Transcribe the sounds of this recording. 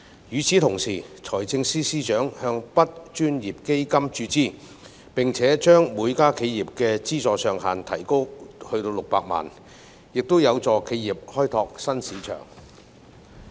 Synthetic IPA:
jyː˨˧t͡sʰiː˨˥t̪ʰʊ˨˩ŋsiː˨˩t͡sʰɔː˨˩jt͡sɪ˧ŋsiː˥siː˥t͡ʃœː˨˥ŋhœː˧ŋpɐ˥t̚t͡ʃyː˥njiː˨p̚ke˥jkɐ˥mt͡ʃyː˧t͡siː˥ | pɪ˨ŋt͡sʰɛː˨˥t͡ʃœː˥ŋmuː˨˧jkaː˥kʰe˨˧jːiː˨p̚kɛː˧t͡siː˥t͡sɔː˨˧sœː˨ŋɦa̰ː˨˩nt̪ʰɐ˨˩jko˥whɵ˧ɥt̪o˧wlʊ˨k̚paː˧k̚ma̰ː˨˩n | jɪ˨k̚t̪o˥wjɐ˨˧wt͡sɔː˨˧kʰe˨˧jiː˨p̚hɔː˥jt̪ʰɔː˧k̚sɐ˥nsiː˨˥t͡ʃʰœ̰ː˨˩ŋ

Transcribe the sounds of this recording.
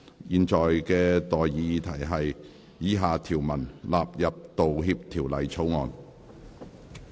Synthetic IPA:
jiː˨nt͡sɔː˨jkɛː˧t̪ɔː˨jːiː˨˧t̪ʰɐ˨˩jɦɐ˨j | jiː˨˥ɦaː˨t̪ʰiː˨˩wmɐ˨˩nlaː˨p̚jɐ˨p̚t̪o˨wɦi˧p̚t̪ʰiː˨˩wlɐ˨jt͡sʰo˨˥wŋɔː˨˧n

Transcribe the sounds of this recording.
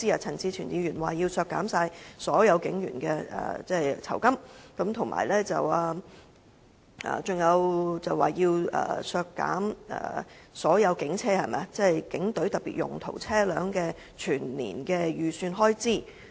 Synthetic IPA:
iː˥ɐː˧˩t͡sʰɐ˨˩nt͡siː˧t͡ʃʰyː˨˩njiː˧jyː˨˩nwaː˨˩jiː˧wsœː˧kːaː˨˥msaː˧jsɔː˨˥jɐ˨˧wkɪ˨˥ŋjy̰ː˨˩nkɛː˧ɐ̰ː˨˩t͡sɛː˥˩t͡sʰɐ˨˩wkɐ˥mkɐ˨˥mt̪ʰʊ˨˩ŋma̰ː˨˩jlɛː˥t͡sɐ̰˨waː˧ | ʔɐ̰ː˨˩t͡sʊ˨˩ŋjɐ˨˧wt͡sɐ˨waː˨˩jiː˧wʔɐ̰ː˨˩sœː˧kːa̰ː˨˥mʔɐ̰ː˨˩sɔː˨˥jɐ˨˧wkɪ˨˥ŋt͡sʰɛː˥hɐ˨jmɛ̰˨˦t͡sɛ˥˩jkɪ˨˥ŋt̪ɵ˨˥ɥt̪ɐ˨k̚pḭː˨t̚jʊ̰˨˩ŋt̪ʰo˨˩wt͡sʰɛː˥lœː˨˥ŋkɛː˧ | t͡ʃʰyː˨˩nnḭː˨˩nkɛː˧jyː˨syː˧nɦɔː˥jt͡siː˥˩

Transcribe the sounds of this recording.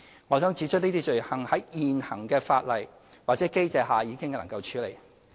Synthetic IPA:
ŋɔː˨˧sœː˨˥ŋt͡siː˨˥t͡ʃʰɵ˥t̚niː˥t̪i˥t͡ʃɵ˨ɥhɐ˨˩ŋhɐ˨˥jiː˨nhɐ˨˩ŋkɛː˧faː˧t̚lɐ˨j | waː˨t̚t͡sɛː˨˥ke˥jt͡sɛː˨˧ɦaː˨jiː˨˧kɪ˥ŋlɐ˨˩ŋkɐ˧wt͡ʃʰyː˨˧le˨˩j

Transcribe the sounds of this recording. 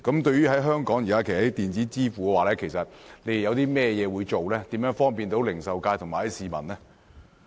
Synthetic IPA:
kɐ˨˥mt̪ɵ˧ɥyː˥hɐ˨˥jɦœː˥ŋkɔː˨˥ŋjiː˨kaː˦˥kʰt̪iː˨nt͡siː˨˥t͡siː˥fuː˨kɛ˧waː˨˩lɛː˥kʰe˨˩jsɐ˨t̚le˨˧jjɐ˨˧wt̪iː˥mɛː˥jɛː˨˧wuː˨˧jt͡ʃo˨wlɛː˥t̪iː˨˥mjœː˨˥ŋfɔː˥ŋpiː˨nt̪o˨˥wlɪ˨˩ŋsɐ˨wkaː˧jt̪ʰʊ˨˩ŋmaː˨˩hɐ˨˦jsiː˨˩mɐ˨˩nlɛ˥

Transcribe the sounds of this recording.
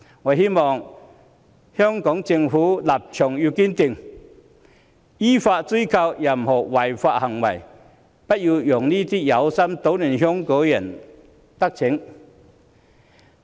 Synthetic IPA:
wa˨hi˦˥mɔ˨ŋ | hjɔ˦ŋkɔ˨˦ŋt͡ɕi˧ŋfuː˨˦la˨˩p̚t͡ɕʰjɔ˨˩ŋju˧ki˦˥nt̪i˧ŋ | i˦fa˧ʔt͡si˦˥jkʰa˧wja˨˩m̩˨hɔ˨˩wa˨jfa˧ʔha˨˩ŋwa̰˨˩j | pa˦t̚ju˧jɔ˨˩ŋli˦t̪i˦˥ja˨˦wsa˦˥mt̪o˨˦wni˨˩nɦjɔ˦˥ŋko˨˦jɛ˨n | t̪a˦k̚t͡ɕʰi˨˦ŋ

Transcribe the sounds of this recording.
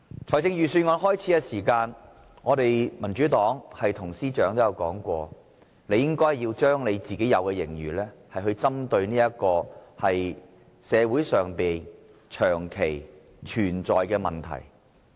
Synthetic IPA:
t͡ʃʰɔː˨˩jt͡sɪ˧ŋjyː˨syː˧ŋɔː˨˧nhɔː˥jt͡sʰiː˨˥kɛ˧siː˨˩kaː˧n | ŋɔː˨˧t̪e˨jmɐ˨˩nt͡ʃyː˨˥t̪ɔː˨˥ŋhɐ˨jt̪ʰʊ˨˩ŋsiː˥t͡ʃœː˨˥ŋt̪o˥jɐ˨˧wkɔ̰ː˨˥ŋkʷɔː˧ | ne˨˧jɪ˥ŋkɔː˥jhjiː˧wt͡ʃœː˥ŋne˨˧jt͡siː˨ke˨˥jɐ˨˧wkɛː˧jɪ˨˩ŋjyː˨˩lɛː˥hɐ˨jɦɵ˧ɥt͡sɐ˥mt̪ɵ˧ɥniː˥jɐ˥kɔː˧hɐ˨j | sɛː˨˧wuː˨˥jsœː˨ŋpiː˨n | t͡ʃʰœː˨˩ŋkʰe˨˩j | t͡ʃʰyː˨˩nt͡ʃɔː˨jkɛː˧mɐ˨˩nt̪ʰɐ̰˨˩j

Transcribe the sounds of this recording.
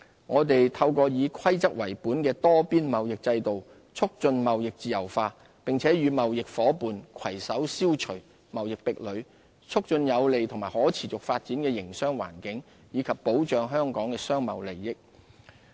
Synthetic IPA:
ŋɔː˨˧t̪e˨jt̪ʰɐ˧wkɔː˧jiː˨˧kʷʰɐ˥jt͡sɐ˥k̚wɐ˨˩jpuː˨˥nkɛː˧t̪ɔː˥piː˥nmɐ˨wjɪ˨k̚t͡sɐ˧jt̪o˨w | t͡sʰʊ˥k̚t͡sɵ˧nmɐ˨wjɪ˨k̚t͡siː˨jɐ̰˨˩wfaː˧ | pɪ˨ŋt͡sʰɛː˨˥jyː˨˧mɐ˨wjɪ˨k̚fɔː˨˥puː˨nkʷʰɐ˨˩jsɐ˨˥wsiː˥wt͡ʃʰɵ˨˩ɥ | mɐ˨wjɪ˨k̚pɪ˨k̚lɵ˨˧ɥ | t͡sʰʊ˥k̚t͡sɵ˧njɐ˨˧wle˨jt̪ʰʊ˨˩ŋmaː˨˩hɔː˨˥t͡sʰiː˨˩t͡sʊ˨k̚faː˧t̚t͡siː˨˥nkɛː˧jɪ˨˩ŋsœː˥ŋwa̰ː˨˩nkɪ˨˥ŋ | jiː˨˧kʰɐ˨pːo˨˥wt͡ʃœː˨ŋɦœː˥ŋkɔː˨˥ŋkɛː˧sœː˥ŋmɐ̰˨wle˨˩jːɪ˥k̚

